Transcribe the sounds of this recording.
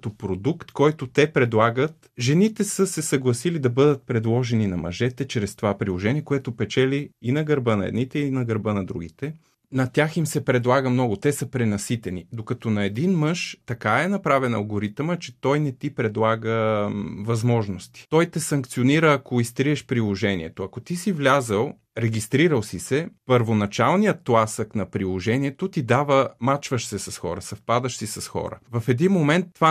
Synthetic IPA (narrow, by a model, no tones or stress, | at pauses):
t̪opɾod̪ukt̪kɔjt̪ot̪ɛpɾɛd̪lˠaɡət̪ | ʒɛnit̪ɛsəsɛsɐɡlˠɐsilid̪ɐbɤd̪ət̪̚pɾɛd̪lˠɔʒɛninɐmɐ̰ʒɛt̪ɛt͡ʃɾɛst̪ovapɾilˠoʒɛniɛkoɛt̪opɛt͡ʃɛliːnɐɡɐɾbənɐɛ̰d̪nit̪ɛinɐɡɐɾbɤnɐd̪ɾṵɡ̟it̪ɛ | nɐt̪ʲjaximsɛpɾɛd̪lˠaɡəmnɔɡʊt̪ɛsəpɾɛnɐsit̪ɛnḭd̪okɐt̪ɔnɐɛd̪inmɤʃt̪ɐkaɛnɐpɾavɛnɐ̰lˠɡoɾit̪mət͡ʃɛt̪ɔjnɛt̪ipɾɛd̪lˠaɡəvɐzmɔʒnost̪i̥t̪ɔjt̪ɛsɐŋkt̪sioniɾəːkoist̪ɾiɛʃpɾilˠoʒɛnḭɛt̪oɐkot̪isivlʲazəlˠ | ɾɛɡist̪ɾiɾəlˠsisɛpəɾvonɐt͡ʃalˠnijət̪plˠasəknɐpɾilˠoʒɛniɛt̪ot̪id̪avəmat͡ʃvəʃsɛsɐsxɔ̰ɾə̰sɐfpad̪əʃsisɐsxɔ̰ɾə̰vɐfɛd̪inmomɛnt̪ːva